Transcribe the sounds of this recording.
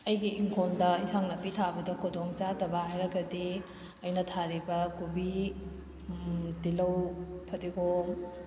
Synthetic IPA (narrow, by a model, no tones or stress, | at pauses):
ɐjɡiʔːŋkʰoldɐisaŋnɐpːitʰabɐdɐkʰodoŋt͡ʃadɐbahajɾɐɡɐdi | ɐjnɐtʰaɾibɐkubi | dilɐwpʰɐdiɡo